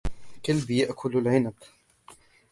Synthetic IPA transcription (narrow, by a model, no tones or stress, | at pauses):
kalbjaʔkʰʊlalʕɪnab